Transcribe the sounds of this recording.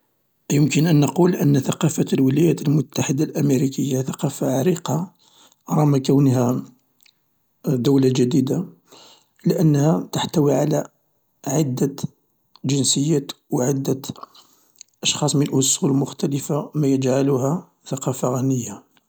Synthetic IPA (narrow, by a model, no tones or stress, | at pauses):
ʔjəmkənʔənːɑqulʔənːθɑqɑfəlwəlæjæt̪əlmʊt̪ːaħəd̪alʔæmeɾikəjːaθɑqɑfaʕaɾiqɑ | ɾˤɑmækæwnhæ | d̪æwlaʒæd̪id̪a | ləʔənːhæt̪əħt̪æwiʕalæ | ʕəd̪ːæ | ʒənsəjːæt̪wʕəd̪ːæ | ʔɑʃxɑsˤmənəlʔʊsˤulmʊxt̪æləfamæjəd͡ʒʕaluhæ | θɑqɑfaɣænəjːa